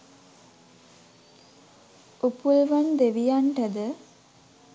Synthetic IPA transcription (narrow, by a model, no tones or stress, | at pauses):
upulʋand̪eʋijaɳʈɐd̪ə